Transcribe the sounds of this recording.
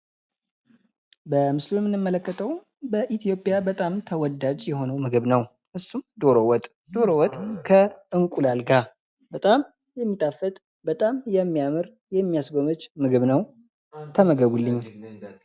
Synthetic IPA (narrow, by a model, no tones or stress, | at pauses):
bəmɨslujmːɨnːɨmːələkːət̪ʰəw | bəʔit̪ʰjo̞pʼjabət̪ʼamt̪ʰəwɔd̪ːad͡ʒjɛho̞nəwmɨɡɨβnəw | ʔɨsːumd̪o̞ɾowɔt̪ʼ | d̪̥o̞ɾowɔt̪ʼkʰəɨŋkʼulalɡa | bət̪ʼam | jɛmːit̪ʼafət̪ʼ | bət̪ʼamjɛmːijamɨɾ | jɛmːijasɡo̞mət͡ʃːmɨɡɨβnəw | t̪ʰəməɡəβulːɨɲː